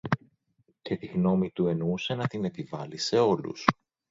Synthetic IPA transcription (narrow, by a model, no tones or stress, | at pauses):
ce̞t̪iɣno̞mit̪ue̞nuse̞nɐt̪ine̞pivɐlise̞o̞lṵs